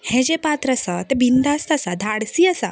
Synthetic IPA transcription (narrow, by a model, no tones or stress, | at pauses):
hɛ̃d͡ʑepat̪ɾəsat̪əbind̪ʱast̪əsad̪ʱaɽsiːasa